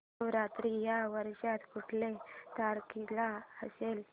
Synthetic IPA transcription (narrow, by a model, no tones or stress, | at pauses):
ʋɾat̪ɾijaʋəɾɕat̪kuʈʰlet̪aɾkilaə̰sel